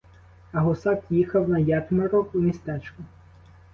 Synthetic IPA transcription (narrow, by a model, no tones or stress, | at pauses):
ɐɦɔsɑkjixɐwnɐjɑt̪mɐɾɔumʲist̪ɛt͡ʃkʊ